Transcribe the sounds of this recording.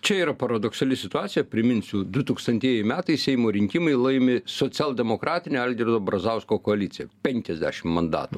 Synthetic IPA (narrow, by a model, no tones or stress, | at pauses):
t͡ʃʲɛiːɾɐpɐɾɐd̪oksɐlʲɪsʲɪt̪ʊɑːtsʲɪjɛpʲɾʲɪmʲɪnʲsʲʊd̪ʊt̪uːkst̪ɐnʲt̪ʲiɛjɛɪmʲæːt̪ɐɪsʲɛɪmoːɾʲɪŋʲkʲɪmɐɪlˠɐɪmʲɪsoːt͡ssʲæːlˠd̪ʲɛmoːkɾɑːt̪ʲɪnʲeːɐlʲd̪ʲɪɾd̪oːbɾɐzɑʊskoːkoɐlʲɪt̪ʲɪjɛ̰pʲɛŋʲkʲɛzʲd̪ʲæ̰ːʃʲɪmmɐnd̪ɑ̰ːt̪ṵ